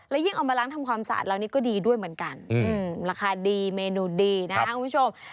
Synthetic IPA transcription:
lɛː˦˥wji˥˩ʔa˧wmaː˧laː˦˥ŋt̪ʰa˧mkʰwaː˧msa̰ː˨˩t̪̚laː˧wniː˦˥kɔː˥˩diː˧du˥˩əjmɯ˩˦ə˦nka˧nʔɯː˧mɾaː˧kʰaː˧diː˧meː˧nuː˧diː˧na˦˥kʰa˦˥ku˧˦m˦u˥˩o˧m

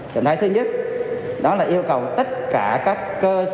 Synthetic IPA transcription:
t͡ɕə̰˨˧˨nʰaː˨˦t̪ʰɨ˧ɲə˦˥t̚ | ɗɔ˨˦laː˨˩ʔi˧əwkə˨˩wt̪ə˦˥t̚kaː˧˩kaː˦˥kːəː˧s

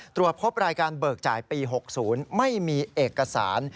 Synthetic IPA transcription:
t̪ɾu˨˩ət̪̚pʰo˦˥p̚ɾaː˧jkaː˧nbɤː˨˩k̚t͡ɕaː˩jpiː˧ɦo˨˩k̚suː˩˦nma˥˩jmiː˧ʔeː˨˩kːa˧sa̰ː˩˦n

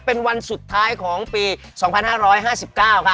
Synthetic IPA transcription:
pe˧nwa˧nsu˨˩t̪ʰːaː˦˥jkʰɔː˩˦ŋpiː˧ | sɔː˩˦ŋpʰa˧nhaː˥˩ɾɔː˦˥jɦaː˥˩si˨˩p̚kaː˥˩wkʰa˥˩

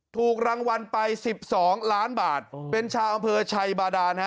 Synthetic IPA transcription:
t̪ʰuː˨˩k̚ɾaː˧ŋwa˧npa˧jsi˨˩p̚sɔː˩˦ŋlaː˦˥nbaː˨˩t̪̚pe˧nt͡ɕʰaː˧wʔa˧mpʰɤː˧t͡ɕʰa˧jbaː˧daː˧na˦˥

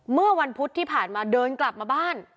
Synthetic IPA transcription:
mɯ˥˩ɐwa˧npʰu˦˥t̪ʰːiː˥˩pʰaː˨˩nmaː˧dɤː˧nkla˨˩p̚maː˧baː˥˩n

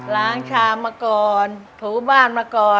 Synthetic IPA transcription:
laː˦˥ŋt͡ɕʰaː˧˩maː˧kɔː˧nt̪ʰuː˩˦baː˥˩nmaː˧kɔː˧

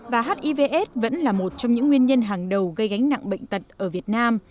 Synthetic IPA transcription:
vaː˨˩ɦaː˦˥t̚ʔi˧ve˧ʔɛ˦˥t̚və̰˧˥nlaː˨˩mo˨˩t̚t͡ɕɔ˧wŋ͡mɲɨ̰˧˥ŋːwi˧ənɲə˧nɦaː˨˩ŋɗə˨˩wɣə˧jɣa˨˦jŋ̟na̰˧˨ŋɓə̰˧˨jŋ̟t̪ə˨˩t̚ʔəː˧˩vi˨˩ət̚naː˧m

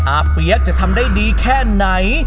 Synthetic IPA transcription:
ʔaː˨˩pːi˨˦ək̚t͡ɕa˨˩ʔt̪ʰa˧mdaː˥˩jdiː˧kʰɛː˥˩na˩˦j

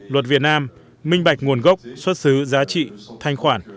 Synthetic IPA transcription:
lwə˨˩t̚vi˨˩ət̚naː˧m | mï˧ŋ̟ɓa˨˩k̚ŋu˨˩ənɣə˦˥wk͡p̚swə˦˥t̚sɨ˨˦zaː˨˦t͡ɕḭ˧˨t̪ʰa˧jŋ̟xwaː˧˩n

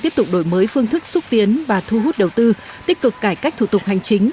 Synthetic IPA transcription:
t̪i˦˥əp̚t̪ʊ˨˩k͡p̚ɗo˧˩jməː˨˦jfɨ˧əŋt̪ʰɨ˦˥k̚su˦˥t̚t̪i˨˦ənvaː˨˩t̪ʰu˧ɦu˦˥t̚ɗə˨˩wt̪ɨ˧ | t̪i˦˥əp̚kɨ˨˩kːaː˧˩jka˦˥k̟̚t̪ʰṵ˧˩t̪ʊ˨˩k͡p̚ɦa˨˩jŋ̟t͡ɕï˨˦ŋ̟

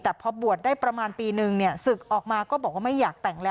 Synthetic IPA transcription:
t̪ɛː˨˩pʰɔ˧˥bu˨˩ət̪̚daː˥˩pɾa˧maː˧npiː˧nɯ˨˩ŋni˥˩ɐsɯ˨˩k̚ʔɔː˨˩k̚maː˧kɔː˥˩bɔː˨˩k̚waː˥˩ma˥˩jːaː˨˩k̚t̪ɛ˨˩ŋlɛː˦

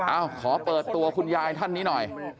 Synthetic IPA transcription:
ʔaː˧˩wkʰɔː˩˦pɤː˨˩t̪ːu˧ɐkʰu˧njaː˧jt̪ʰa˥˩nːiː˦˥nɔ˨˩j

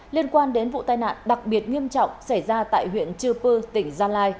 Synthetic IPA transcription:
li˧ənkwaː˧nɗe˨˦nvṵ˧˨t̪aː˧jna̰ː˧˨nɗa˨˩k̚ɓi˨˩ət̚ŋi˧əmt͡ɕɔ̰˧˨wŋ͡msa˧˩jzaː˧t̪a̰ː˧˨jɦwḭ˧˨ənt͡ɕɨ˧pɨː˧t̪ï˧˩ŋ̟zaː˧laː˧j

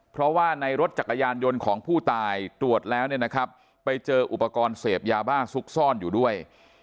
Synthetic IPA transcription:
pʰɾɔ˦˥waː˥˩na˧jɾo˦t̪̚t͡ɕa˨˩kːa˧jaː˧njo˧nkʰɔː˩˦ŋpʰuː˥˩t̪aː˧jt̪ɾu˨˩ət̪̚lɛː˦˥wni˥˩əna˦˥kʰɾa˦˥p̚ː | a˧jt͡ɕɤː˧ʔu˨˩pːa˧kɔː˧nseː˨˩p̚jaː˧baː˥˩su˦˥k̚sɔː˥˩njuː˨˩du˥˩əj

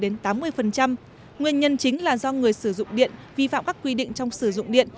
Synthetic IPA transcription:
ɗe˨˦nt̪aː˨˦mːɨ˧əjfə˨˩nt͡ɕa˧m | ŋwi˧ənɲə˧nt͡ɕï˨˦ŋ̟laː˨˩zɔ˧ŋɨ˨˩əjsɨ˧˩zʊ̰˧˨ŋ͡mɗḭ˧˨ənvi˧fa̰ː˧˨mkaː˦˥kːwi˧ɗḭ̈˧˨ŋ̟t͡ɕɔ˧wŋ͡msɨ˧˩zʊ̰˧˨ŋ͡mɗḭ˧˨ən

